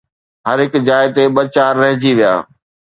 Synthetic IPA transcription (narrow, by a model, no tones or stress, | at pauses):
ɦɐɾɦɪkd͡ʑaːɪt̪eɓɐt͡ɕaːɾːɐɦɪ̃d͡ʑiʋija̰ː